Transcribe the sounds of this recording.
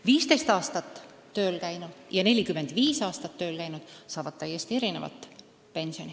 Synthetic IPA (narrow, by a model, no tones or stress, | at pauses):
viːst̪e̞jst̪ɑːst̪ɑt̪ˑː | ø̞ːlkæjnud̪̥jɑne̞lʲikymːe̞nd̪̥viːsɑːst̪ɑt̪ːø̞ːlkæjnud̪̥sɑːvɑd̪̥t̪æjest̪ie̞ɾine̞vɑ̰t̪ˑ | pe̞nsio̞nʲi